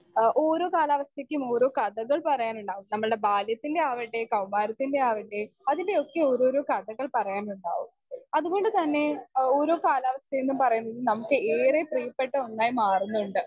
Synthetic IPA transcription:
ʔo̞ːɾo̞ːkaːlaːʋɐst̪ʰekʲːumo̞ːɾo̞ːkɐðɐɣɐɭpɐrɐjaːnuɳɖaːʋumnɐmːɐɭɨɽe̞baːljɐt̪ːinde̞aːʋiʈːe̞kɐwmaːɾɐt̪ːinde̞aːʋiʈːe̞ɐðinde̞o̞kːe̞o̞ːɾoːɾo̞ːkɐðɐɣɐɭpɐrɐjaːnuɳɖa̰ːʋum | ɐðuɣo̞ɳɖɨt̪ɐnːe̞o̞ːɾo̞ːkaːlaːʋɐst̪ʰɐjenːumpɐrɐjunːɐðɨlnɐmukːɨeːrepriːɐpːeʈːɐonːaːjimaːrunːuuɳɖɨ

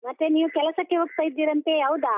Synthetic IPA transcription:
mɐt̪ːeniːʋukɛlɐsɐkːeɦuk̚t̪ɐjid̪ːiːɾɐnt̪eɦɐʋud̪a

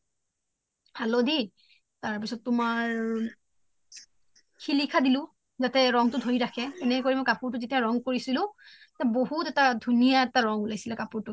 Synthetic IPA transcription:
halodi | taɹpisɔtːʊmaɹ | xilikʰadilʊ̃ | zatɛɹɔŋtʊdʱoɹiɹakʰɛɛnɛkoɹimɔjkapʊɹtʊzetiaɹɔŋkoɹisilʊ̃ | taboɦutɛtadʱunijaɛtaɹɔŋulajsilakapuɹtʊ

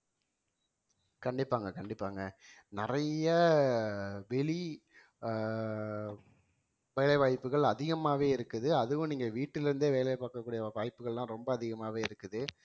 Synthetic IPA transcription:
kɐɳɖɪpːaːŋɡɐkɐɳɖɪpːaːŋɡɐ | nɪɾɐjɐ | ʋɛɭi | ʋeːlɛɪʋaːjpːɯɣɐɭɐðɪɣɐmaːʋeːɪɾɯkːɯðɯɐðɯʋʊ̃niːŋɡɐʋiːʈːɪlɪɾɯnd̪eːʋeːlɐpaːkːɐkːuːɽɪjɐʋaːjpːɯɣɐɭlãːɾɔmbɐːðɪɣɐmaːʋeːɪɾɯkːɯðɯ

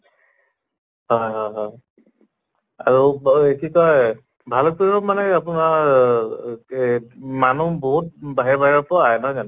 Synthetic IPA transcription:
ɦɔjɦɔjɦɔj | aɹuekikɔj | bʱalɔk̚piɹɔmanɛapuna | manuboɦut̚baɦɛbaɦɛɹɔpɔajnɔjzan

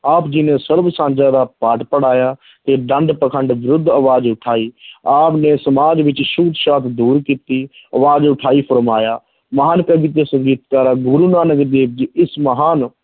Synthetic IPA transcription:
aːpd͡ʒɪnẽːsəɾbsãːnd͡ʒaːd̪aːpaːʈpəɽaːjaː | t̪eːɖəɳɖpəkʰəɳɖʋɪɾʊd̪ʱːəʋaːd͡ʒʊʈʰaːiːaːpnẽːsəmaːd͡ʒʋɪt͡ʃʃʊkt̪ʃaːt̪d̪uːɾkiːt̪iːəʋaːd͡ʒʊʈʰaːiːpʰəɾmaːjaː | məɦaːnkəbɪt̪̬esəmd͡ʒiːt̪kaːɾaːɡʊɾuːnaːnəɡəɾd̪eːp̚d͡ʒiːɪsməɦaːn

